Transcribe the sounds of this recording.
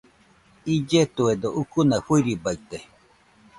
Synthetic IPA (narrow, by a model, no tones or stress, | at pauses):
id͡ʒet̪ued̪oʔukunaɸuiɾibait̪e